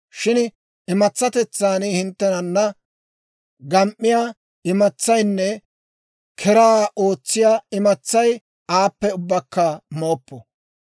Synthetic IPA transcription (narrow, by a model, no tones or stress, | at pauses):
ʃɪn | ɪmɐt͡sːɐt̪ɛt͡sːaːnɪhɪnt̪ːɛnɐnːɐ | ɡɐmʔːɪjaː | ɪmɐt͡sːɐjnːɛ | kʰɛɾaːʔo̞ːt͡sːɪjaːɪmɐt͡sːɐj | aːpːɛʊbːɐkːɐmo̞ːpːɔ